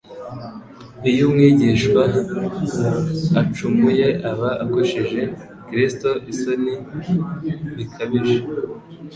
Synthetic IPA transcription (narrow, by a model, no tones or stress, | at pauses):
ijumŋiːɟiʃkwa | at͡ʃumɡuje̞ʔaβaʔakoʃiʒe̞ | kɾisto̞ʔisoni | βikʰaβiʒe